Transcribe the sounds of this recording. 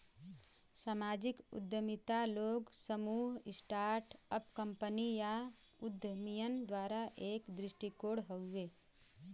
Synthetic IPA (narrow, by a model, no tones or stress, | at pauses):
samaːd͡ʒɪkʊ̰d̪ʱjəmit̪aloːɡsəmuːɦɪsʈaːɾʈəpkə̃mpənija | ʊd̪ʱjəmijənd̪waːɾaʔeːkd̪ɾɪʃʈikoːɽɦəːeː